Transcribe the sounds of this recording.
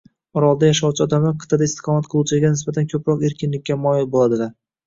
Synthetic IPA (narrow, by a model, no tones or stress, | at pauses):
ɒɾɒlˠd̪ajaʃawt͡ʃʰɪɒd̪amaqʰɨ̥t̪ʰːad̪aɪst̪ɪ̥qʰɒmat̪qʰɨlˠuwt͡ʃʰɪɡʲanɪsbat̪ʰankʲʰɵpɾɒqe̞ɾkʲɪnlɪk̚ʲːamɒjɪlbolˠad̪ɪva